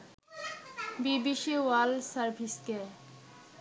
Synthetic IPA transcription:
bibiʃewalsəɾbʱiske

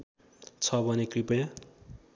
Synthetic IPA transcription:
t͡sʰʌbʱʌnekripʌja

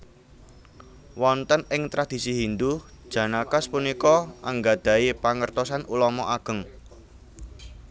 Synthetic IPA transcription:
wɔnt̪ənɪŋt̪ɾʔad̪̥i̤siɦind̪uhd̥ʒ̥ä̤nakaspunikɔʔaŋɡad̪̥ä̤jepaŋərt̪ɔsanulɔmɔʔaɡ̥ə̤ŋ

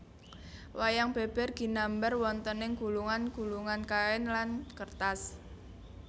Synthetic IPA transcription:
wajaŋb̥e̤b̥ɛ̤rɡ̥i̤nambərwɔnt̪ənɪŋɡ̥ṳluŋanɡ̥ṳluŋankaɛnlankərt̪as

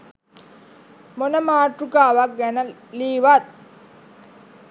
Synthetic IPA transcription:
monəmaːʈɾukaːʋak̚ɡɛnəliːʋat̪̚

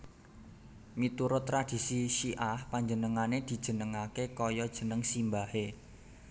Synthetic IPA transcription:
mit̪uɾʊt̪ːɾad̪̥i̤siʃiʔahpaɲd͡ʒənəŋaned̪̥i̤d̥ʒ̥ə̤nəŋakekɔjɔd̥ʒ̥ə̤nəŋsimbahe

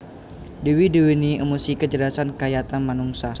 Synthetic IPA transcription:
diwidəwiniəmusikəd͡ʒəlasankajat̪anmanuŋsah

